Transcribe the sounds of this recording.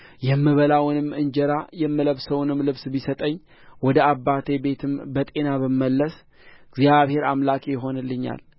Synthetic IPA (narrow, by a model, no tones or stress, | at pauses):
jɛmːɨβəlawnɨmːɨnd͡ʒɛɾajɛmːɨləβsəwnɨmlɨβsbisət̪ʼəɲː | wɔd̪əabːat̪ʰebe̞t̪ʰɨmbət̪ʼe̞naβəməlːəs | ɨɡzjaβhe̞ɾamlakʼejɪɦo̞nɨlːɨɲːa̰l